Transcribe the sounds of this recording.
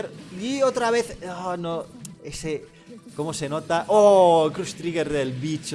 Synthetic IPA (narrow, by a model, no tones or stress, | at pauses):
ɾdiot̪ɾaβ̞e̞θonoese | ko̞mose̞no̞t̪aʔokɾust̪ɾiɣeɾðelβit͡ʃ